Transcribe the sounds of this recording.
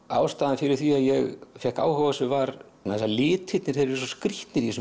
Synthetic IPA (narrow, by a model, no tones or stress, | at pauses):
a̰ːwst̪aːðanfɪɾɪɾ̥θviaðjɛɣfjɛhka̰ːwhɔɣasʏvaɾ | naɛsalɪːt̪hɪt̪nɪɾ̥θeɾɪɾs̬ɔskɾiht̪nɪɾis